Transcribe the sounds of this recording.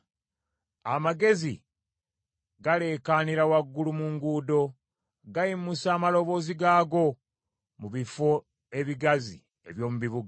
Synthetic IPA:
amaɡe̞zḭ | ɡale̞ːkaniɾawaɡːulumuŋɡuːdo̞ | ɡajimusaːmalo̞βo̞ːziɡaːɡo̞ | muβifo̞ | e̞βiɡazḭ | e̞̰βjo̞ːmuβiβuɡa

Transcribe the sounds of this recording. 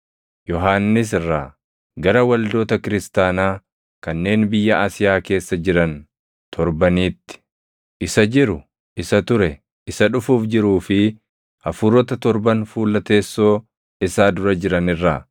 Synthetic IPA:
jɔɦaːnːɪs̬ɪrːaː | ɡɐɾɐwɐld̪o̞ːt̪ɐkɪɾɪst̪aːnaː | kɐnːe̞ːnbɪjːɐʔaːsɪjaːke̞ːsːɐd͡ʒɪɾɐn | t̪ʰɔɾbɐniːt̪ːɪ̥ | ʔɪsɐd͡ʒɪɾʊ | ʔɪsɐt̪ʊɾɛ | ɪsɐᶑʊfuːfd͡ʒɪɾuːfɪ | hɐfʊɾɔt̪ɐt̪ɔɾbɐnfuːlːɐt̪e̞ːsːo̞ː | ɪsaːd̪ʊɾɐd͡ʒɪɾɐnɪrːaː

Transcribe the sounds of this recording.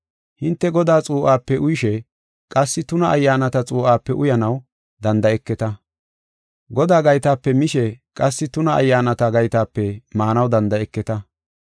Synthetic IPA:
hɪnt̪ːɛɡɔd̪aːt͡sʼuːʔaːpːɛʔʊjɪʃɛ | kʼɐsːɪt̪ʊnɐɐjːaːnɐt̪ɐt͡sʼuːʔaːpːɛʔʊjɐnɐw | d̪ɐnd̪ɐɛkːɛt̪ɐ | ɡɔd̪aːɡɐjt̪aːpːɛmɪʃɛkʼɐsːɪt̪ʊnɐʔɐ̰jːaːnɐt̪ɐɡɐjt̪aːpːɛmaːnɐwd̪ɐnd̪ɐɛkːɛt̪ɐ

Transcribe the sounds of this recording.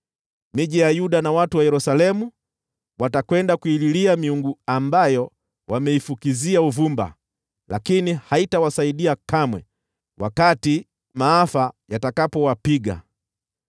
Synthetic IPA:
miʄijajuɗanawatuwajɛɾusalɛmu | watakwɛndakuililiamiuŋɡuambajɔ | wamɛifukiziauvumba̰ | lakinihaitawasaiɗiakamwɛ̰ | wakati | maafajatakapɔwapiɡa̰

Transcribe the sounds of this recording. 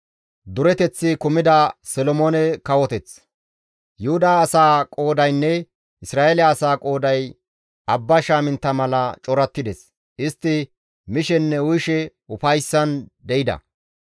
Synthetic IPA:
d̪ʊɾɛt̪ɛt͡sːɪkʊmɪd̪ɐsɔlɔmonɛkɐwɔt̪ɛt͡s | jʊhʊd̪aːsaːkʼo̞ːd̪ɐjnːɛ | ɪsɾaːelːsaːkʼo̞ːd̪ɐj | ɐbːɐʃaːmɪnt̪ːɐmɐlɐt͡ʃʼɔɾɐt̪ːɪd̪ɛs | ʔɪst̪ːɪ | mɪʃɛnːɛʊjʃɛ | ʊfɐjsːɐnd̪ɛʔɪd̪ɐ̰

